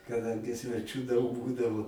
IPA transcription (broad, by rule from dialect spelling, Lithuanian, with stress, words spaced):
kɐˈdɐŋʲɡʲɪ sʲʋʲɛˈt͡ʃʲuː dɐʊk ˈbuːdɐʋoː